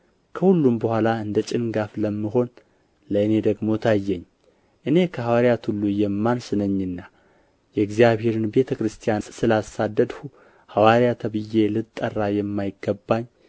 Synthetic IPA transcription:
kʰəhulːumbəhʷalaɨnd̪ət͡ʃʼɪnɡafləmːɨɦo̞n | ləɨne̞d̪əɡmo̞t̪ʰajːɛɲː | ʔɨne̞kʰəhawaɾjat̪ʰulːujɛmːansɨnəɲːɨnːa | jɛɡzijaβhe̞ɾɨnbe̞t̪ʰəkɾɨst̪ʰijasʼsɨlasad̪ːəd̪hu | hawaɾjat̪ʰəβɨjːe̞lɨt̪ʼːərːajɛmːajɪɡːəbːaɲː

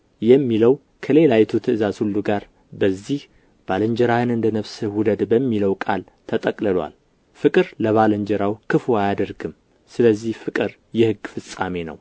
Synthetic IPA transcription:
jɛmːiləw | kʰəle̞lajɛt̪ʰut̪ʰɨʔɨzazhulːuɡaɾ | bəzːih | b̥aləɲd͡ʒɛɾahɨnɨnd̪ənəβsɨwʊd̪əd̪bəmːiləwkʼal | t̪ʰət̪ʼəkʼləlwa̰l | fɨkʼɨɾləβaləɲd͡ʒɛɾawkʰɨfoajad̪əɾɡɨm | sɨləzːihfɨkʼɨɾ | jɛhɨɡːfɨsʼa̰me̞nə̰w

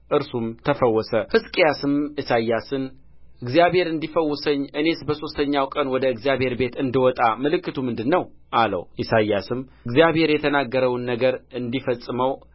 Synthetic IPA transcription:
ʔɨɾsumt̪ʰəfəwːɔsəhɨskʼijasɨmisajːasɨn | ʔɨɡzijaβhe̞ɾɨnd̪ifəwːʊsəɲːʔɨne̞sbəso̞st̪ʰəɲːawkʼənwɔd̪əɨɡzijaβhe̞ɾbe̞t̪ɨnd̪ɨwɔt̪ʼamɨlɨkːɨt̪ʰumɨnd̪ɨnːəwʔalə̰wʔisajːasɨmɨɡzijaβhe̞ɾjɛt̪ʰənaɡːəɾəwnːəɡəɾɨnd̪ifəsʼːɨməw

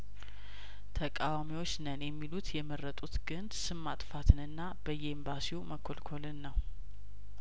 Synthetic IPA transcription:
t̪ʰəkʼawamiwo̞t͡ʃːnənjɛmːilut̪jɛməɾːət̪ʼut̪ɡ̥ɨnsɨmːat̪ʼfat̪ʰɨnɨnːabəjːɛimbasiuməkʰːolkʰo̞lɨnːəw

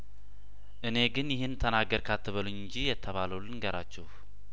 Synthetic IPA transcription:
ʔɨne̞ɡɨnjɪhɪnt̪ʰənaɡːəɾkʰat̪ːɨβəlɨɨɲd͡ʒijɛt̪ʰːəβaləwlɨnɡəɾʔa̰t͡ʃːɛh

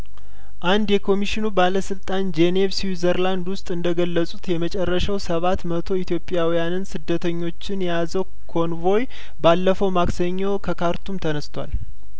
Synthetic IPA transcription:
ʔand̪jɛkʰo̞miʃɪnubaləsɨlt̪ʼand͡ʒene̞vsizəɾland̪wʊst̪ʼɨnd̪əɡəlːəsʼut̪jɛmət͡ʃʼɛrːəʃawsəβat̪mət̪ʰo̞it̪ʰjo̞pʼːɪjawijanɨnsɨd̪ːət̪ʰəɲːo̞t͡ʃːɪnjjazəw | kʰo̞nvo̞j | balːəfəwmaksəɲːokʰəkʰaɾt̪ʰumt̪ʰənəst̪ʰwa̰l

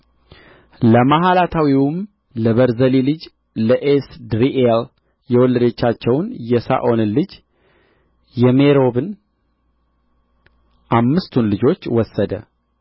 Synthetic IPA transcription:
ləmaɦalat̪ʰawiwm | ləβəɾzəlilɨd͡ʒ | ləʔesd̪ɾiʔel | jɛwɔlːəd̪ət͡ʃːat͡ʃːɛwnjɛsa̰ʔo̞nɨlɨd͡ʒ | jɛmeɾo̞bɨn | ʔamːɨst̪ʰunlɨd͡ʒo̞t͡ʃːwɔsːəd̪ə̰

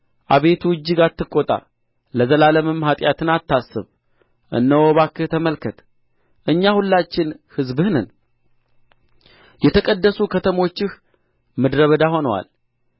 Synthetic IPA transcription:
ʔaβe̞t̪ʰuɨd͡ʒːɪɡat̪ːɨkʼːot̪ʼa̰ | ləzəlaləmɨmhat̪ʼjat̪ʰɨnat̪ːasːɨ̰β | ʔɨ̰nːəwoβakːɨt̪ʰəməlkʰət̪ | ʔɨɲːahulːat͡ʃːɪnhɨzbɨhnɨn | jɛt̪ʰəkʼəd̪ːəsukʰət̪ʰəmo̞t͡ʃːɪh | mɨd̪ɾəβəd̪ahonəwa̰l

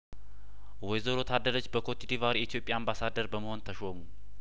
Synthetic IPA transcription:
wɔjzəɾo̞t̪ʰad̪əɾot͡ʃːbəkʰot̪ʰid̪ivaɾiit̪ʰijo̞pʼjaːmbasad̪əɾbəməho̞nt̪ʰəʃomu

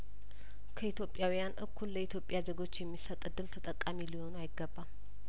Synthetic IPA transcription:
kʰəit̪jo̞pʼːjawijanʔɨkʰːulːəit̪ʰjo̞pʼjad͡ʒəɡo̞t͡ʃːjɛmːisət̪ʼɨd̪ːɨlt̪ʰət̪ʼəkʼːamiliho̞nuajɪɡːəbːa

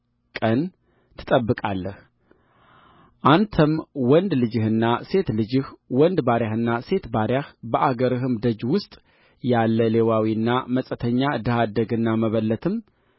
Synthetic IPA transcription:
kʼən | t̪ʰɨ̥t̪ʼəbːɨkʼalːəh | ʔant̪ʰəmwɔnd̪lɨd͡ʒɨhɨnːase̞t̪lɨd͡ʒɨhwɔnd̪baɾjahɨnːase̞t̪baɾjahbəʔaɡəɾɨɦɨmd̪əd͡ʒwʊst̪ʼ | jalːəle̞wawiɨnːaməsʼət̪ʰəɲːad̪ɨhad̪əɡɨnːaməβəlːət̪ʰɨm

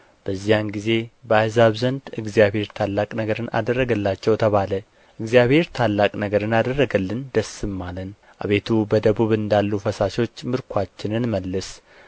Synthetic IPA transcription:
b̥əzːijanɡize̞bəajzaβzənd̪ɨɡzijabhe̞ɾt̪ʰalːakʼnəɡəɾɨna̰d̪ərːəɡəlːat͡ʃːɛwt̪ʰəβalə | ʔɨɡzijaβhe̞ɾt̪ʰalːakʼnəɡəɾɨnad̪ərːəɡəlːɨnd̪əsɨmːalən | ʔa̰βe̞t̪ʰubəd̪əβuβɨnd̪alːufəsaʃo̞t͡ʃːmɨɾkʰʷat͡ʃːɪnɨnməlːɨs

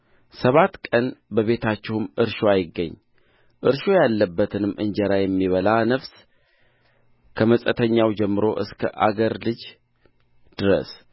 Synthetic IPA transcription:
səβat̪kʼənbəβe̞t̪ʰat͡ʃːɪhumʔɨɾʃoajɪɡːə̰ɲː | ʔɨɾʃojalːəbːət̪ʰɨnɨmːʔɨ̰nd͡ʒəɾajɛmːiβəlanəfs | kʰəməsʼət̪ʰəɲːawd͡ʒɛmːɨɾo̞ʔɨskʰə̰ʔa̰ɡəɾlɨd͡ʒ | d̪̥ɨɾə̰s

